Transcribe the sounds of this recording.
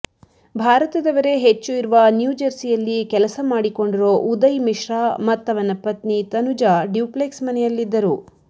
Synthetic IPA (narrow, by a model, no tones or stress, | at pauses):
bʱaːɾɐt̪ɐd̪ɐʋɐɾe̞ɦet͡ʃːuiɾuʋɐnjuːd͡ʒɐɾsijɐlːikɛlɐsɐmaːɽiko̞ɳɖiɾoːʔud̪ɐjmiʃɾaːmɐt̪ːɐʋɐnɐpːɐt̪nit̪ɐnud͡ʒaːɖjuːpleksmɐnɛjɐlːid̪ːɐɾu